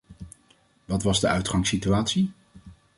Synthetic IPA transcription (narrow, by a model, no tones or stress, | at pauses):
ʋɑtʋɑzdəœɥtχɑŋsityaːtsi